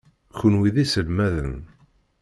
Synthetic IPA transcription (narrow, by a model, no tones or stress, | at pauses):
çənwiðisəlmæðə̰n